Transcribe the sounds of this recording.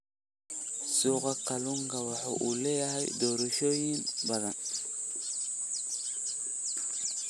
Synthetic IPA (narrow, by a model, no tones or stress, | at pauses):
sokakaluŋɡawaħṵʔulejahajdoɾoʃojinbadan